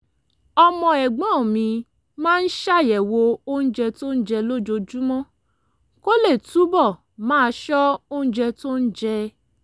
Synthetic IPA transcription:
ɔ˧mɔ̃˧ɛ˨ɡ͡bɔ̃˨˦˨mĩ˧ | mãː˦˧n̩˦ʃa˦˨jɛ˨wo˧o˦ñ̩˦d͡ʒɛ˧to˦n̩˦d͡ʒɛ˧lo˦d͡ʒo˧d͡ʒu˦mɔ̃˦ | ko˦le˦˨tu˨˦bɔ˦˨ | mãː˦˧ʃɔ˦o˦ñ̩˦d͡ʒɛ˧to˦n̩˦d͡ʒɛ˧

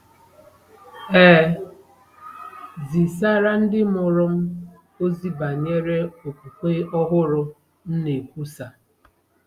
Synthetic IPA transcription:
ɛː˦ | zi˨sa˦ɾa˦n̩˦dɪ˦mʊ˨ɾʊ˦m̩˦ | o˦zi˦ba˨ɲe˦ɾe˦o˨kʷu˨kʷe˦ɔ˦ɦʊ˦ɾʊ˨ | n̩˦ne˨kʷu˦sa˨

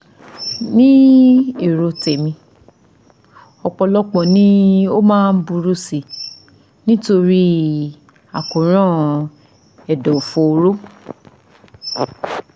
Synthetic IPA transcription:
nĩ˦e˨ɾo˧te˨mĩ˧ | ɔ˧k͡pɔ˧lɔ˦k͡pɔ̃˨nĩ˦o˦mãː˦˧n̩˦bu˧ɾu˧si˨ | nĩ˦to˧ɾi˦ | a˨ko˨ɾ̃ã˦˨ | ɛ˨dɔ˨fo˧ɾo˦

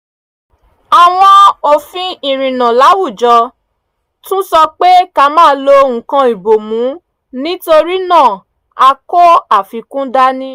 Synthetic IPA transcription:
a˨w̃ɔ̃˧o˧fĩ˦i˨ɾ̃ĩ˨nã˨la˨˦wu˦˨d͡ʒɔ˧ | tũ˦sɔ˧k͡pe˦ka˧mãː˦˧˦lo˧ŋ̩̃˨kã˧i˨bo˨mũ˨˦ | nĩ˦to˧ɾi˦nã˦˨ | a˧ko˦a˨fi˧kũ˦da˦nĩ˦

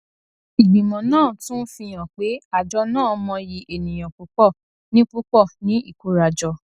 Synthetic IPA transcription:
i˨bĩ˨mɔ̃˨nãː˦˨tũ˦fĩ˧j̃ã˨k͡pe˨˦a˨d͡ʒɔ˧˦nãː˦˨mɔ̃˧ji˧ʔe˨nĩ˨j̃ã˨k͡pu˨˦k͡pɔ˦˨ | nĩ˦k͡pu˦k͡pɔ˦˨nĩ˨˦i˦˨ko˨˦ɾa˨d͡ʒɔ˧

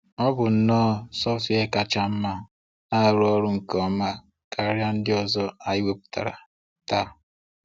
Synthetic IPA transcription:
ɔ˦bʊ˨n̩˨nɔː˦˨sɔ˦fi˨˦e˦ka˨t͡ʃa˦m̩˦ma˦ | na˦˨ɾɔ˦ɾʊ˦ŋ̩˨kɔ˦ma˦ | ka˨˦ɾja˦n̩˦dɪ˦ɔ˨zɔ˦a˨jɪ˦be˦pʊ̥˦ta̰˨ɾa̰˨ | ta˦

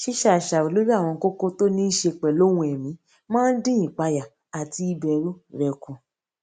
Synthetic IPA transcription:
ʃi˦ʃa˦˨ʃa˨o˨lo˦ɾi˦a˦˨w̃ɔ̃˧ko˦ko˦to˦nĩ˦ʃe˧k͡pɛ˨lo˦wũ˧ɛ˨mĩ˨˦ | mãː˦n̩˦dĩ˦ĩ˨k͡pa˧ja˨ | a˨ti˧i˧bɛ˧ɾũ˦ɾɛ˨kũ˨

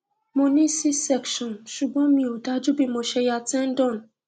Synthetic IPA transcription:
mo˨ni˦si˦sɛ˦kʃɔ˨n˨ʃu˨ɡ͡bɔ˦mĩ˨o˨da˦d͡ʒu˦bi˨mo˨ʃe˨ja˨tɛ˦n̩˦dɔ˦˨n̩˨

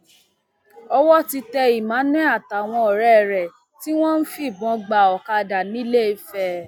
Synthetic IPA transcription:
ɔ˧wɔ˦ti˧tɛ˧i˨mã˨˦nɛ̃˦a˦˨ta˨w̃ɔ̃˧ɔ˨ɾɛ˨ɾɛ˨ | ti˦w̃ɔ̃˦n̩˦fi˦˨bɔ̃˨˧ɡ͡ba˨ɔ˨ka˧da˨nĩ˨˦le˦i˧˦fɛ˧˦

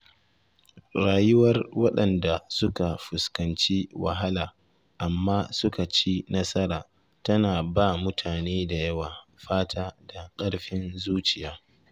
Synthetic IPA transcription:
ɽaː˨jʊ˦wɐ˦rwɐ˦ɗɐ˨nda˨sʊ˦ka˨ɸʊ˨skɐ˨nt͡ʃi˦wa̰˨ɦa˦laː˨ | ʔa˨mːaː˦sʊ˦ka˨t͡ʃi˦nɐ˦sɐ˦ɾaː˨ | tɐ˦naː˨baː˦˨mʊ˦tʰaː˨neː˦da˨jɐ˦waː˨ɸaː˦tʰaː˦da˨kʼɐ˦ɽɸɪ˦nzuː˦t͡ʃɪ˨jaː˦

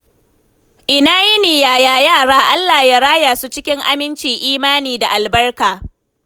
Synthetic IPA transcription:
ʔɪ˨naː˦ji˦niː˨jaː˨jaː˦jaː˦˨ɽaː˦ʔa˦lːaː˨ja˦ɾaː˦jaː˨su˦t͡ʃɪ˦kʲɪ˦ŋʔa̰˦mɪ˦nt͡ʃiː˨ʔiː˦maː˦niː˨da˨ʔa˨lbɐ˦rkaː˨

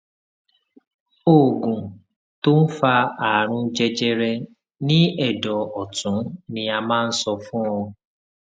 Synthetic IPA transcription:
o˨ɡũ˨ | to˦n̩˦fa˧a˨ɾ̃ũ˧d͡ʒɛ˧d͡ʒɛ˧ɾɛ˧ | nĩ˦ɛ˦˨dɔ˨ɔ˨tũ˨˦nĩ˧a˧mãː˦˧n̩˦sɔ˧fũ˦ɔ̃˧

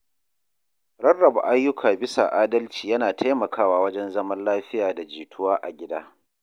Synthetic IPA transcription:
ɾɐ˦rːɐ˨ba̰˨ʔa˦jːʊ˦kʰaː˨bɪ˦sa̰˨ʔaː˦dɐ˦lt͡ʃiː˨jɐ˦naː˨tʰa˦jmɐ˨kʰaː˦waː˦wɐ˦d͡ʒɛ˦nzɐ˦mɐ˦nlaː˦ɸɪ˦jaː˨da˨d͡ʒiː˨tʰʊ˦waː˦ʔa˨ɡʲɪ˦daː˦

